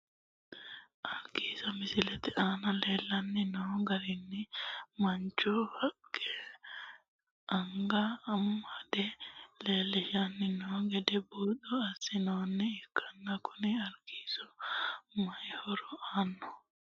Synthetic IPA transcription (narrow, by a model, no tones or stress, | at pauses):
ʔɐɾɡiːsɐmɪsɪlɛt̪ɛʔaːnɐle̞ːlːɐnːɪnoɡɐɾɪnːɪmɐnt͡ʃɔhɐkːɛ | ʔɐŋɡɐːmːɐd̪ɛle̞ːlːɪʃɐnːɪnoːɡɛd̪ɛbuːd̪ɔɐsːɪnoːnːɛɪkʰːɐnːɐkʊnɪɐɾɡ̥iːsɔ | mɐjhɔɾɔaːnːɔ